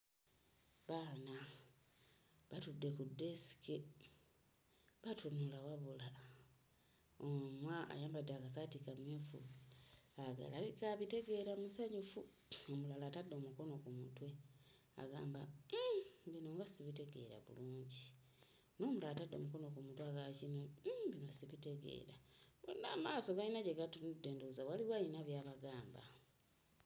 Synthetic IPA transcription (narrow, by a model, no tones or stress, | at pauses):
βaːna | βatudːe̞kudːe̞si̥ke | βatunulawaβula | omwaa̰jaːmbadaɡasatikamjefṵ | aɡa̰laβikaβite̞ɡe̞ɾamusaɲufu | omulalatadːo̞muko̞no̞kumutwe | a̰ɡaːmba | βinoŋɡasiβite̞ɡe̞̰ɾa̰βṵluːɲɟi | no̞ːmulatadːo̞̰muko̞nokumutwaɡacinobinosiβite̞ɡḛɾaβo̰nːamaːso̞ɡainaɟeɡatudeːnduzawaliβwainaβjaːβaɡaːmba̰